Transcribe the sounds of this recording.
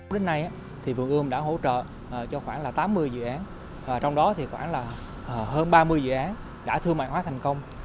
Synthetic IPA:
wɗe˨˦nːa˧jʔaː˧˥ | t̪ʰi˨˩vɨ˨˩ŋʔɨ˧əŋ͡mɗa̰ː˧˥ɦo̰˧˥t͡ɕə̰ː˧˨˩ | t͡ɕɔ˧xwaː˧˩nlaː˨˩t̪aː˨˦mːɨ˧əjzɨ̰˧˨ʔaː˨˦n | aː˨˩t͡ɕɔ˧wŋ͡mɗɔ˨˦t̪ʰi˨˩xwaː˧˩nlaː˨˩˨ | ɦəː˧nɓaː˧mɨ˧əjzɨ̰˧˨ʔaː˨˦n | ɗa̰ː˧˥t̪ʰɨ˧əma̰ː˧˨jwaː˨˦t̪ʰa˨˩jŋ̟kə˧wŋ͡m

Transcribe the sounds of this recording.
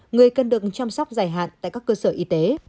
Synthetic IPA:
ŋɨ˨˩əjkə˨˩nɗɨ˨˩ək̚t͡ɕaː˧msa˦˥wk͡p̚zaː˧˩jɦa̰ː˧˨nt̪a̰ː˧˨jkaː˦˥kːəː˧səː˧˩ʔi˧t̪e˨˦

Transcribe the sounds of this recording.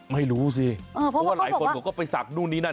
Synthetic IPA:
ma˥˩jɾuː˦˥s̬i˧˩ɤː˧˩pʰɔ˧˦waː˥˩laː˩˦kʰo˧nɔː˨˦˩kɔː˥˩pa˧jsa˨˩k̚nuː˥˩nːiː˦˥na˥˩

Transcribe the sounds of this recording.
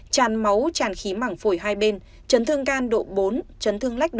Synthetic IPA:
t͡ɕaː˨˩nma˨˦wt͡ɕaː˧˩nxi˨˦maː˧˩ŋfo˧˩jɦaː˧jɓe˧n | t͡ɕə˨˦nt̪ʰɨ˧əŋkaː˧nɗo̰˧˨ɓo˨˦nt͡ɕə˨˦nt̪ʰɨ˧əŋla˦˥k̚ɗ

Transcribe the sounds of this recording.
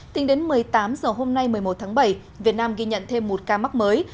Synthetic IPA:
t̪ï˨˦ŋɗe˨˦nmɨ˨˩əjt̪aː˨˦mzəː˨˩ɦo˧mna˧jmɨ˨˩əjmo˨˩t̚t̪ʰaː˨˦ɓə˧˩j | vi˨˩ət̚naː˧mɣi˧ɲə̰˧˨nt̪ʰe˧mːo˨˩t̚kaː˧ma˦˥k̚məː˨˦j

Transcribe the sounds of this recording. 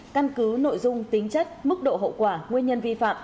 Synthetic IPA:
ka˧nkɨ˨˦no̰˧˨jzʊ˧ŋ͡mt̪ï˨˦ŋ̟t͡ɕə˦˥t̚mɨ˦˥k̚ɗo̰˧˨ɦo̰˧˨kwaː˧˩ŋwi˧ənɲə˧nvi˧fa̰ː˧˨m

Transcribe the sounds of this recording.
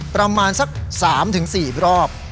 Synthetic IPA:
pɾa˧maː˧nsa˦˥k̚saː˩˦mt̪ʰɯ˩˦ŋsiː˨˩ɾɔː˥˩p̚

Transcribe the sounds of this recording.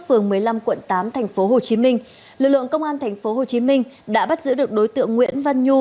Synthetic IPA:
fɨ˨˩əŋmɨ˨˩əjla˧mkwə̰˧˨nt̪aː˨˦mt̪ʰɛ˨˩jŋ̟fo˨˦ɦo˨˩t͡ɕi˨˦mï˧ŋ̟ | lɨ˨˩k̚lɨ̰˧˨əŋkə˧wŋ͡mʔaː˧nt̪ʰɛ˨˩jŋ̟fo˨˦ho˨˩t͡ɕi˨˦mï˧ŋ̟ɗa̰ː˧˥ɓa˦˥t̚zɨ̰˧˥ɗɨ˨˩ək̚ɗo˨˦jt̪ɨ̰˧˨əŋːwḭ˧˥ənva˧nɲu˧

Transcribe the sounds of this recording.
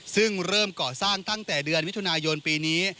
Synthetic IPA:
sɯ˥˩ŋɾɤː˥˩mkɔː˨˩saː˥˩ŋt̪a˥˩ŋt̪ɛː˨˩dɯ˧ənmi˦˥t̪ʰu˧naː˧jo˧npiː˧niː˦˥

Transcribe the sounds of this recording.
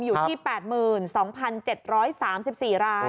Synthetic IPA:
mjuː˨˩t̪ʰiː˥˩pɛː˨˩t̪̚mɯː˨˩nsɔː˩˦ŋpʰa˧nt͡ɕe˨˩t̪̚ɾɔː˦˥jsaː˩˦msi˨˩p̚siː˨˩ɾaː˦˥

